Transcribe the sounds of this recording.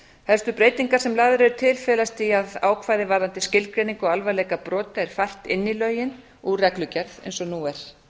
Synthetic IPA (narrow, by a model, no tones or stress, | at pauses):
hɛlst̪ʏpɾeːjt̪iŋkaɾ̥sɛmlaːðʏɾɛðɾʏt̪ʰɪlfɛːlast̪iaðaːwkʰvaːjðɪvaɾðant̪ɪscɪlkɾejniŋkɔɣalvaɾlɛːkapɾɔːt̪aɛɾ̥fajr̥t̪ɪnːilœːɥjɪn | urɛklʏcɛɾðḛjnsɔnuːɛɾ̥